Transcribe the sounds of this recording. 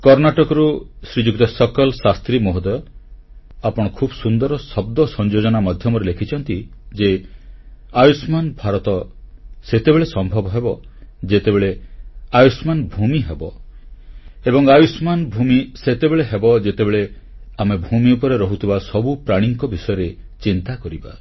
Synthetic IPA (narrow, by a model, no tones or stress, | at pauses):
kɔɾnaʈɔkɔɾusɾid͡ʒuk̚t̪ɔsɔkɔlsast̪ɾimoɦod̪ɔ | apɔɽ̃ɔkʰubɔsund̪ɔɾɔsɔb̚d̪ɔsɔnd͡ʒod͡ʒɔnamad̪ʱjɔmɔɾelekʰit͡ʃʰɔnt̪id͡ʒe | ajusmanbʱaɾɔt̪ɔset̪ebeɭesɔmbʱɔbɔɦebɔd͡ʒet̪ebeɭeajusmanbʱumiɦebɔ | ebɔŋajusmanbʱumiset̪ebeɭeɦebɔd͡ʒet̪ebeɭe | amebʱumiupɔɾeɾɔɦut̪ʰibasɔbupɾaɽ̃iŋkɔbisɔjɔɾet͡ʃint̪akɔɾiba̰